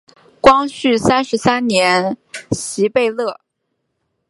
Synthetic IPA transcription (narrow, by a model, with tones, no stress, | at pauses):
kwɑ˥ŋɕy˥˩sa˥nʂɻ̩˧˥sa˥nnjɛ˧˥nɕi˧˥pe˥˧ɪlɤ˥˩